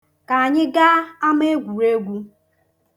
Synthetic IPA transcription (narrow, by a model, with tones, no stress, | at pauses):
ka˨a˨ɲɪ˦ɡa˦a˦m˦e˦ɡʷu˨ɾe˦ɡʷu˦